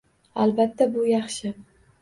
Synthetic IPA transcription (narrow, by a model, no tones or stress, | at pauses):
albat̪ːabʊjɑχʃɪ